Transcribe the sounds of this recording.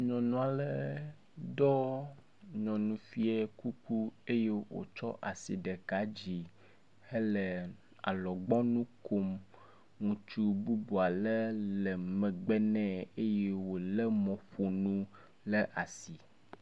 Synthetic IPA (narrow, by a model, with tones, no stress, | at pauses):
ɲɔ̃˨nũ˦a˨lɛ˨˦˨ | d̪ɔ˦ | ɲɔ̃˨nũ˨fi˦ɛ˦ku˦ku˦e˦je˦wo̰˨t͡ʃɔ˦ʔa˨sḭ˨ɖe˨ka˨˦d͡ʑi˨ | he˦lɛ˨ | a̰˨lɔ˨ɡ͡bɔ̃˦nũ˦ko˦m | ŋũ˨t͡ʃu˦bu˦bu˨a˨lɛ˦lɛ˨mɛ̃˨ɡ͡bɛ˦nɛ̃˦e˦je˦wo˨lɛ˦mɔ̃˨ɸo˨nũ˦ | le˦ʔa˨si˨